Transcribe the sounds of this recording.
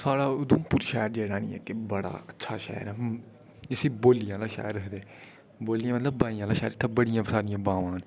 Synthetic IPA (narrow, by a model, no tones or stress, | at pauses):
saːɽaːʊd̪umpuːɾʃɛːəɾd͡ʒeːɽaːnĩːɛ̰ːkɪbəɽa̰ːətːʃʰaːʃɛ̰ːəɾɛː | ɪsĩːboːlijãːlaːʃa̰ːəɾːəkʰd̪eː | boːlijãːmət̪ləbːaːijãːlãːʃɛːɾɪt̪ʰːãːbəɽɪjãːpɾsaːɾɪjãːbaːʋãːn